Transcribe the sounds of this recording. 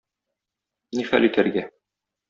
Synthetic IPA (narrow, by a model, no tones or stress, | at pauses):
niχæ̰lit̪æɾɡæ